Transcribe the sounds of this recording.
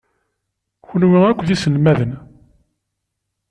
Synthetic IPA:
çənwiækʷːðisəlmæðən

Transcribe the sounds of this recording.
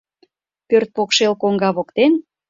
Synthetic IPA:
pørt̪̚pokʃelkoŋɡɑβokt̪en

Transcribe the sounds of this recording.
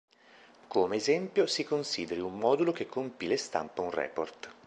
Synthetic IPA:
komeːzɛmpjosikonsiːd̪eɾiumːɔːd̪ulok̟ekːompilest̪a̰mpaunrɛ̰ːport̪

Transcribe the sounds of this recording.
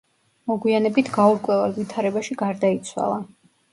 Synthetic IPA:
mɔɡwianɛbit̪ʰɡauɾkʼwɛvɛlˠvit̪ʰaɾɛbaʃiɡaɾd̪ait̪sʰwa̰lˠa

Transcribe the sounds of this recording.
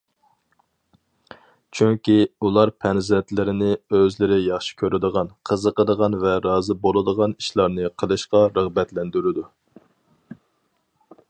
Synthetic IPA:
t͡ʃʰyŋkʲiulˠɑɾpʰɛnzɛnt̪lɪɾɪnɪøzlɪɾɪjɑχʃi̥kʲʰøɾɪd̪əʁɑnqʰəzəqəd̪əʁɑnvɛɾɑːzɨbolˠɨd̪əʁɑniʃlˠɑɾnɨqʰəlˠɨʃqɑɾəʁbɛt̪lɛnd̪yɾɪd̪u

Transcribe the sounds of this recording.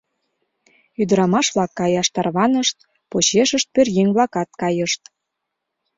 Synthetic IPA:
yd̪ə̆ɾɑmɑʃβlɑkːɑjɑʃt̪ɑrβɑnəʃt̪̚ | pot͡ɕeʃəʃt̪̚pørjeŋʲβlɑkɑt̪̚kɑjəʃt̪

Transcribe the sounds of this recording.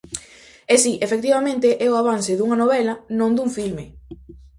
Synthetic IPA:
ɛsiʔefek̚t̪iβamẽnt̪eʔɛoaβ̞ansɪðuŋɐnoβ̞ɛlɐnõnd̪uɱfilme

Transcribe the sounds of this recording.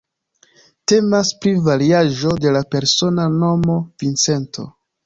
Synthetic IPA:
te̞maspɾivaɾiaʒo̞de̞lape̞ɾso̞nano̞mo̞vint͡se̞nto̞

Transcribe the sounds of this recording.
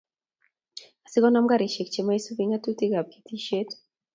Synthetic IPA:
asiɡɔnamɡaɾiʃek̚t͡ʃimaisuviɲatutiɡab̚ki̥tiʃet

